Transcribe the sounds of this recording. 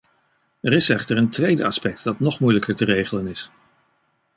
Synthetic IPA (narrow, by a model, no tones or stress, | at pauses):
ɛrɪsɛχtəɹəntʋejdə̰ɑspɛk̚tdɑtnɔχmujləkəɹtərejχələnɪs